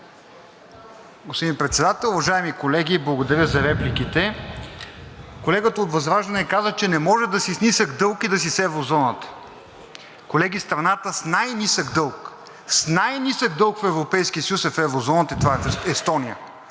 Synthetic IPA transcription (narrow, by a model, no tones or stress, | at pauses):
ɡospod̪inpɾɛt̪sɛd̪at̪ɛlˠʊvɐʒaɛmikolɛɡʲiblˠɐɡod̪ɐɾjəzɐɾɛplikit̪ɛ | kolɛɡət̪əot̪vɐzɾaʒd̪ɐnɛkazət͡ʃɛnɛmɔʒɛd̪ɐsisnisəɡd̪ɤlˠkid̪ɐs̬isɛvɾozɔnət̪ə̥ | kolɛɡʲist̪ɾɐnat̪əsnajnisəɡd̪ɤlˠk | snajnisəɡ̚d̪ɤlˠkfɛvɾopɛjskiəsəjusɛfɛvɾozɔnət̪əit̪vaɛfɛst̪ɔnijə̰